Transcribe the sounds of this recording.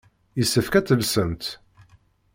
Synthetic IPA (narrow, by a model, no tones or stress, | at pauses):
jəsːəfkæt͡sːəlsənt̪